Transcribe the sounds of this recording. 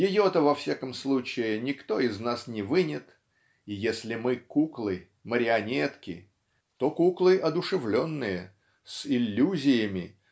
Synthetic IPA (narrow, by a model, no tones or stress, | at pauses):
jɪjot̪əvɐfsʲakəmslˠut͡ɕɪɪnʲɪkt̪o̞ɪznasnʲɪvɨnʲɪt̪ | ijesʲlʲɪmɨkuklˠɨ | məɾʲɪɐnʲet̪kʲɪ̰ | t̪okuklˠɨʔɐd̪ʊʂɨvlʲonːɨjə | sɪlʲːuzʲɪjɪmʲɪ